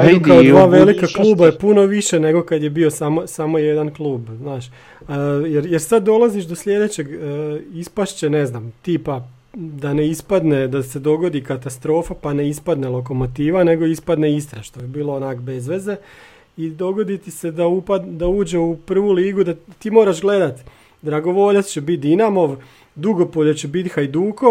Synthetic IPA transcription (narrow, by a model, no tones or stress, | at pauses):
eokaoʋaːʋe̞likaklˠuːbajepuno̞ʋiʃeneɡo̞kad̪je̞bio̞samo̞samo̞jed̪anklˠuːbznaːʃ | jeɾjeɾsad̪ːo̞lˠaziʃd̪o̞sʎʲe̞d̪et͡ɕe̞ɡispaʃt͡ɕene̞znaːmt̪iːpa | d̪aneispad̪ned̪ase̞d̪o̞ɡo̞d̪ikat̪ast̪ɾo̞ːfapane̞ispad̪nelˠo̞k̬o̞mo̞t̪iːʋane̞ɡo̞ispad̪neist̪ɾaʃt̪obibiːlˠoonakbe̞zʋe̞ze̞ | id̪o̞ɡo̞d̪it̪ise̞d̪aupad̪d̪auːd͡ʑe̞upr̩ʋuliːɡud̪at̪iːmo̞ːɾaʃɡle̞d̪at̪ | d̪ɾaɡo̞ʋo̞ʎat̪t͡ɕebit̪̚d̪inamo̞ʋ | d̪uɡo̞poʎot͡ɕebit̪xajd̪uːko